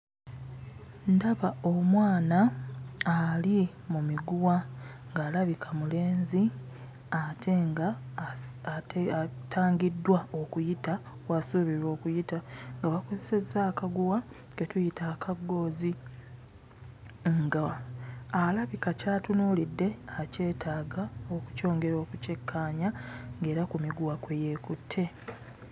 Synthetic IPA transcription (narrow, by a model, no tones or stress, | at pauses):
ndaβaomwaːnaali | mumiɡuwaŋɡaːlaβikʰamule̞ːnzi | atʰeŋɡa | teatʰaːŋɡidːwao̞kujita | wasuβiɾo̞ːkujitaŋɡaβako̞zese̞zːaːkaɡuwa | ɡetujitaːkʰaɡːo̞ːzi | ŋɡaː | laβikacaːtunuːlidːe̞ace̞ːtʰaːɡao̞ku̥co̞ːŋɡe̞ɾo̞ːkuce̞kʰːaːɲaŋɡe̞ːɾakumiɡuwakweje̞ːkutʰːe̞